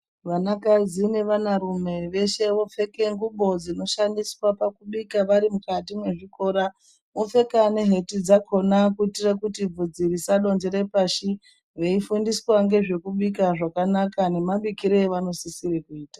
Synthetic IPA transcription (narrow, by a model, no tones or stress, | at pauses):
ʋanakazine̞ʋanaɾume̞ʋe̞ʃe̞ʋo̞fe̞ke̞ŋɡuɓo̞d͡zino̞ʃandiswapakuɓikaʋaɾimukatimwe̞ʐiko̞ːɾa | mofe̞kane̞ɦe̞tid͡zakʰo̞nakuitirakutib͡vud͡ziɾisaɗo̞nd͡ʒe̞ɾepaʃi | ʋe̞ifundiswaŋɡe̞ʐe̞kuɓikaʐakanakane̞maɓikiɾeʋano̞sisiɾekuiːta